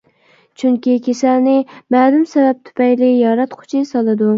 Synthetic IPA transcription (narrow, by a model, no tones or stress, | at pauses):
t͡ʃʰyŋkʲikʲʰesælnɪmæːlumsɛvɛp̚t̪ʰu̥pʰɛjlɪjɑɾɛt̪qʰʊ̥t͡ʃʰisɑlˠɨd̪u